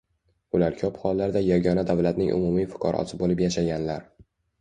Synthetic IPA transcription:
ʊlaɾkʲʰɒphɒlːaɾd̪ajaɡʲɒnad̪avlat̪nɪŋʔʊ̰mumijfʊ̥qʰɒ̰ɾʔɒ̰sɪbolɪpjaʃaɡʲanlaɾ

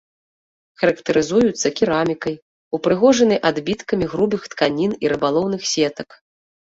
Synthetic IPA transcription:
xɐɾɐkt̪ɐɾɨzujut̪sːɐkʲiɾamʲikɐj | upɾɨɣɔʐɐnɐjʔad̪bʲit̪kɐmʲiɣɾubɨxt̪kanʲiniɾɨbalˠɔwnɨxsʲɛt̪ɐk

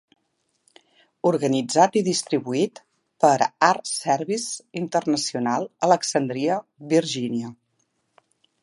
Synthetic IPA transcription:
uɾɣənid͡zat̪iðist̪ɾiβuit̪ | pəɾaɾsɛɾβisint̪ərnəsiunalˠələksənd̪ɾiəβiɾʒiniə

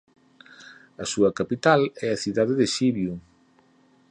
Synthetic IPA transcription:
ɐsuɐkapit̪alɛɐθiðaðeðɪʃiβju

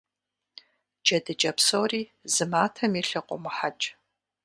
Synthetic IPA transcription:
d͡ʒɐdɨd͡ʒʼɐpsoːriːzɨmaːtʰɐmiɬɨqʷʼɔ̰mɨħat͡ʃʼ

